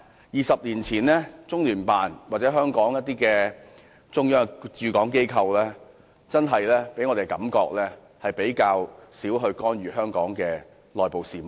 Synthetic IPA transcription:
jiː˨sɐ˨p̚liː˨˩nt͡sʰiː˨˩nlɛː˥t͡sʊ˥ŋlyː˨˩npaː˨nwaː˨˩t͡sɛː˨˥ɦœː˥ŋkɔː˨˥ŋjɐ˥t̚t̪iː˥kɛː˧ | t͡sʊ˥ŋjœː˥ŋt͡ʃyː˨kɔː˨˥ŋke˥jkʰɐ˧wlɛː˥ | t͡sɐ˥nɦɐ˨jlɛː˥pe˨˥jŋɔː˧t̪e˨˩jkɐ̰˨˥mkɔː˧k̚lɛː˥ | hɐ˨jpe˨˥jkaː˧wsiː˨˥wɦɵ˧ɥkɔː˥nɥyː˨ɦœː˥ŋkɔː˨˥ŋkɛː˧ | lɔː˨jpo˨wsiː˨mo˨˩

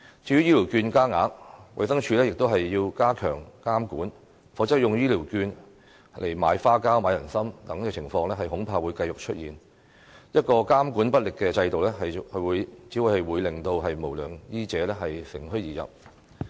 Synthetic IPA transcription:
t͡ʃiː˧jɥyː˥jiː˥li˨˩wkyː˧nkaː˥ŋa̰ː˨˥k̚wɐ˨˩jsɐ˥ŋt͡ʃʰyː˧lɛ˥jɪ˨k̚t̪o˥wɦɐ˨jːiː˧wkaː˥kʰœː˨˩ŋkaː˥mkuː˨˥n | fɔː˨˥t͡sɐ˥k̚jʊ˨ŋjiː˥li˨˩wkyː˧n | lʔe˨˩jmaː˨˧jfaː˥kaː˥wmaː˨˧jɐ˨˩nsɐ˥mt̪ɐ˨˧˥ŋɛː˧t͡sʰɪ˨˩ŋfɔː˧ŋlɛː˥ɦɐ˨jɦʊ˨˥ŋpʰaː˧wuː˨˧jkɐ˧jʊ˨k̚t͡ʃʰɵ˥t̚jiː˨˩n | jɐ˥t̚kɔː˧kaː˥mkuː˨˥npɐ˥t̚lɪ˨kːɛː˧t͡sɐ˧jt̪o˨wlɛː˥ɦɐ˨jkʰɵ˨˧˥wuː˨˧jt͡siː˨˥wu˨˧jhɐ˨jwuː˨˧jlɪ˨ŋt̪o˧wɦɐ˨jmo˨˩wlœː˨˩ŋjiː˥t͡sɛː˨˥lɛː˥ɦɐ˨jsɪ̰˨˩ŋɦɵ˥ɥjiː˨˩jɐ̰˨˩p̚

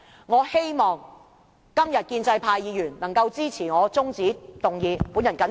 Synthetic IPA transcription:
ŋɔː˨˧he˥jmɔː˨˩ŋ | kɐ˥mjɐ˨t̚kiː˧nt͡sɐ˧jpʰaː˧jːiː˨˧jyː˨˩nnɐ˨˩ŋkɐ˧wt͡siː˥t͡sʰiː˨˩ŋɔː˨˧t͡sʊ˥ŋt͡siː˨˥t̪ʊ˨ŋjiː˨˧puː˨˥njɐ˨˩nkɐ˨˥

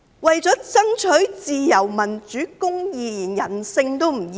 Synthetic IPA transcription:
wɐ˨jt͡sɔː˨˥t͡sɐ˥ŋt͡ʃʰɵ˨˥ɥt͡siː˨jɐ˨˩wmɐ˨˩nt͡ʃyː˨˥kʊ˥ŋjiː˨jiː˨˩njɐ˨˩nsɪ˧ŋt̪o˥wm̩ː˨˩

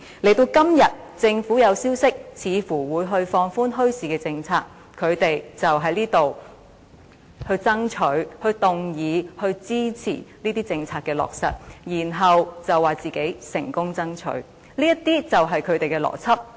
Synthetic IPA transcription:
le˨˩jt̪o˧wkɐ˥mjɐ˨˩t̚t͡sɪ˧ŋfuː˨˥jɐ˨˧wsiː˥wsɪ˥k̚t͡sʰiː˨˧fuː˨˩wuː˨˧jɦɵ˧ɥfɔː˧ŋfuː˥nɦɵ˥ɥsiː˨kɛː˧t͡sɪ˧ŋt͡sʰaː˧k̚ | kʰɵ˨˧ɥt̪e˨jt͡sɐ˨wɦɐ˨˥jliː˥t̪o˨w | hɵ˧ɥt͡sɐ˥ŋt͡ʃʰɵ˨˥ɥhɵ˧ɥt̪ʊ˨ŋjiː˨˧hɵ˧ɥt͡siː˥t͡sʰḭː˨˩niː˥t̪iː˥t͡sɪ˧ŋt͡sʰaː˧t̚kːɛː˧lɔ̰ː˨k̚sɐ̰˨t̚jiː˨˩nɦɐ˨wt͡sɐ˨wːaː˨t͡siː˨ke˨˥jsɪ̰˨˩ŋkʊ˥ŋt͡sɐ˥ŋt͡ʃʰɵ̰˨˥ɥ | liː˥jɐ˥t̚t̪iː˥t͡sɐ˨wɦɐ˨jkʰɵ˨˧ɥt̪e˨jkɛː˧lɔ̰ː˨˩t͡sʰɐ˥p̚

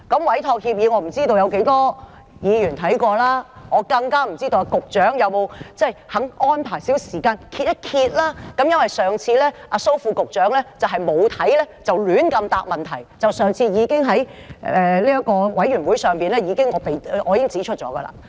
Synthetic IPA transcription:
kɐ˨˧˥mwɐ˨˥jt̪ʰɔː˧k̚hi˧p̚jiː˨˧ŋɔː˨˧m̩˨˩t͡siː˥t̪o˧wjɐ˨˧wke˨˧˥jt̪ɔː˥ | jiː˨˧jyː˨˩nt̪ʰɐ˨˥jkɔː˧laː˥ŋɔː˨˧kɐ˧ŋkaː˥m̩˨˩t͡siː˥t̪o˧wa˧kʊ˨k̚t͡ʃœː˨˥ŋjɐ˨˧wmo˨˧wt͡sɐ˥˩jhɐ˨˥ŋɔː˥npʰaː˨˩jsi˨˥wsiː˨˩kaː˧nkʰi˧t̚jɐ˥t̚kʰiː˧t̚laː˥kɐ˨˧˥mjɐ˥nwɐ˨jsœː˨ŋt͡sʰiː˧lɛː˥ʔaː˧so˥wfuː˧kʊ˨k̚t͡ʃœː˨˥ŋlɛː˥t͡sɐ˨wɦɐ˨jmo˨˧wt̪ʰɐ˨˥jlɛː˥t͡sɐ˨wlyː˨˥nkɐ˧mt̪a̰ː˧˩k̚mɐ˨nt̪ʰɐ˨˩jt͡sɐ˨wsœː˨˩ŋt͡sʰiː˧jiː˨˧kɪ˥ŋɦɐ˨˥jɛ˨˧liː˥jɐ˥kɔː˧wɐ˨˥jɥyː˨˩nwu˨˥jsœː˨˩ŋpiː˨nlɛː˥jiː˨˧kɪ˥ŋɔː˨˧pe˨jʔɔː˧jiː˨˧kɪ˥ŋt͡siː˨˥t͡ʃʰɵ˥t̚t͡ʃɔ̰ː˨˥ɡɐ̰˧la̰ː˧

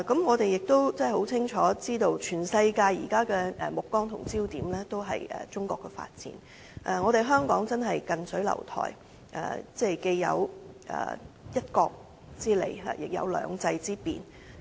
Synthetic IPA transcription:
kɐ˨˥mŋɔː˨˧t̪e˨jɪ˨k̚t̪o˥wt͡sɛ˥˩ho˨˥wt͡sʰɪ˥ŋt͡ʃʰɔː˨˥t͡siː˥t̪o˧wt͡ʃʰyː˨˩nsɐ˧jkaː˧jḭː˨˩kaː˥kɛː˧ɛ˨mʊ˨kːɔː˥ŋt̪ʰʊ˨˩ŋt͡siː˥wt̪iː˨˥mlɛː˥t̪o˥wɦɐ̰˨jɛ̰ː˨t͡sʊ˥ŋkɔ̰ː˧kːɛ˧fa̰ː˧t̚t͡sḭː˨˥n | ʔɛ˨ŋɔː˨˧ɾe˨jɦœː˥ŋkɔː˨˥ŋt͡sɐ˥nɦɐ˨jkɐ˨nsɵ˨˥lɐ̰˨˩wt̪ʰɔ̰ː˨˩j | ʔɛ̰ː˨˩t͡sɛː˥˩ke˧jːɐ̰˨˧wʔɛ̰ː˨˩ | jɐ˥t̚kɔː˧k̚ | t͡siː˥lḛ˨˩jɦa̰˨˩jɪ˨k̚jɐ̰˧wlœ̰ː˨˧ŋt͡sɐ˧jt͡siː˥pḭː˨n

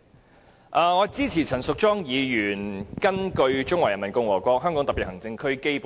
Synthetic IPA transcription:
ʔaː˨ŋɔː˨˧t͡siː˥t͡sʰiː˨˩t͡sʰɐ˨˩nsʊ˨k̚t͡ʃɔː˥ŋjiː˨˧jyː˨˩nkɐ˥nkɵ˧ɥt͡ʃʊ˥ŋwaː˨˩jɐ˨˩nmɐ˨˩nkʊ˧ŋwɔː˨˩kʷɔː˧k̚ɦœː˥ŋkɔː˨˥ŋt̪ɐ˨piː˨t̚hɐ˨˩ŋt͡sɪ˧ŋkʰɵ˥ɥke˥jpː

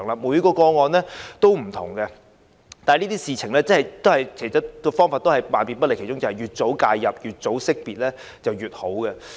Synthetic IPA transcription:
ŋlaː˧muː˨˧jkɔː˧kɔː˧ŋɔː˧nlɛː˥t̪o˥wm̩˨˩t̪ʰʊ̰˨˩ŋɡɛ˧ | t̪aː˨niː˥t̪iː˥siː˨t͡sʰɪ˨˩ŋlɛː˥t͡sɐ˥ɐ˨jt̪o˥whɐ˨jkʰe˨˩jt͡sɐ˥tkɔː˧fɔː˥ŋfaː˧t̪o˥whɐ˨jmaː˨npi˨npɐ˥le˨˩kʰe˨˩t͡ʃʊ˥ŋt͡sɐ˨˩hɐ˨˩jyː˨t̚t͡so˨˥wkaː˧jjɐ˨p̚jyː˨t̚t͡so˨˥wsɪ˥k̚piː˨t̚lɛː˥ | t͡sɐ˨wjyː˨t̚ho˨˥wkɛ˧

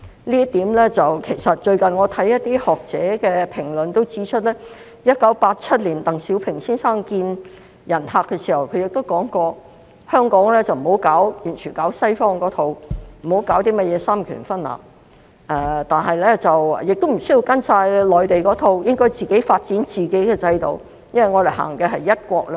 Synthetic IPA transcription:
liː˥t̪iː˨˥mlɛː˥t͡sɐ˨wkʰe˨˩jsɐ˨t̚t͡ʃɵ˧ɥkɐ˨nŋɔː˨˧t̪ʰɐ˨˥jːɐ˥t̚t̪iː˥hɔː˨˩k̚t͡sɛː˨˧˥kɛː˧pʰɪ˨˩ŋlɵ˨nt̪o˥wt͡siː˨˥t͡ʃʰɵ˥t̚lɛː˥ | jɐ˥t̚kɐ˨˥wpaː˧t̚t͡sʰɐ˥t̚liː˨˩nt̪ɐ˨˩ŋsiː˨˥wpʰɪ˨˩ŋsiː˥nsaː˥ŋkiː˧n | jɐ˨˩nɦaː˨˧kːɛ˧si˨˩hɐ˨˩wkʰɵ˨˧ɥjɪ˨k̚t̪o˥wkɔː˨˥ŋkɔː˧ | hœː˥ŋkɔː˨˥ŋlɛː˥t͡sɐ˨wm̩˨˩ho˨˥wkaː˨˥wjyː˨˩nt͡ʃʰyː˨˩nkaː˨˥wsɐ˥jfɔː˥ŋkɔː˨˥t̪ʰo˨˧wm̩˨˩ho˨˥wkaː˨˥wt̪iː˥mɐ˥t̚jɛː˨˧saː˥mkʰy̰ː˨˩nfɐ˥nla̰ː˨p | ɛ˨˧t̪aː˨nɦɐ˨jlɛː˥t͡sɐ˨wjɪ˨k̚t̪o˥m̩˨˩sɵ˥ji˧wkɐ˥nsaː˧jlɔː˨jt̪e˨jkɔː˨˥t̪ʰo˨˧wjɪ˥ŋkɔː˥jt͡siː˨ke˨˥jfaː˧t̚t͡siː˨˥nt͡siː˨ke˨˥jkɛː˧t͡sɐ˧jt̪o̰˨˩w | jɐ˥nwɐ˨˩jŋɔː˨˧d̪e˨˩ɦa̰ː˨˩ŋkɛː˧ɦɐ˨jːɐ˥t̚kʷɔː˧k̚lɛ˥

